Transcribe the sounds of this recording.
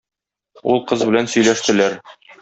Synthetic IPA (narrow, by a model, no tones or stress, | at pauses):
ṵlˠqɤzbɘ̆lænsɵ̆jlæʃt̪ɘ̆læɾ